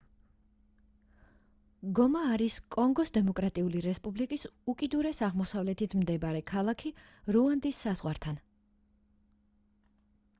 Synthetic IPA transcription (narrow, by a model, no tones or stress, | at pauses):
ɡɔmaːɾiskʼɔŋɡɔsd̪ɛmɔkʼɾat̪ʼiuliɾɛspʼublikʼisukʼid̪uɾɛsaʁmɔsavlɛt̪ʰit̪ʰmd̪ɛbaɾɛkʰalˠakʰi | ɾuand̪isːaz̥ʁwaɾt̪ʰan